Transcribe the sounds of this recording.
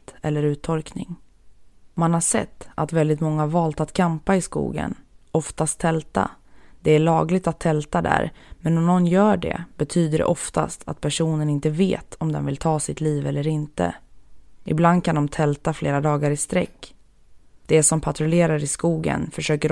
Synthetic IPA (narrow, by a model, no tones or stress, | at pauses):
t̪ɛlːəɾʉ̟ːt̪ʰːɔlknɪ̰ŋ | manhaʂɛ̰t̪ːat̪vɛld̪ɪt̪mɔŋːahaɾvɑːlt̪at̪kʰampaɪskṵːɡə̰nɔft̪ast̪ʰːɛlt̪a̰d̪̥ɛæɭɑːɡlɪɡ̚t̪at̪ʰːɛlt̪ad̪æ̰ɾmɛnɔmnɔnːjœːɖɛ̰b̥ɛt̪ʰyːd̪əɖɛ̰ʔɔft̪a̰st̪ʰa̰t̪̚pʰæʂuːnənɪnt̪əvḛːt̪ʰɔmd̪ɛ̰nvɪlt̪ʰɑːsɪt̪ʰliːvɛlːəɾɪnt̪ə̰ | ʔɪbland̪̚kʰand̪ɔmt̪ʰɛlt̪afleːɾad̪ɑːɡaɾɪst̪ɾɛkː | d̪̥ɛsɔmpʰat̪ɾʊleːɾaɾɪskuːɡə̰nfœʂøːkəɾ